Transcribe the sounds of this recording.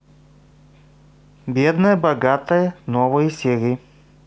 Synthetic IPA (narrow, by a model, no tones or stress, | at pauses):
bʲɛd̪nɐɛbɐɡat̪ɐɛnɔvoisʲɛɾi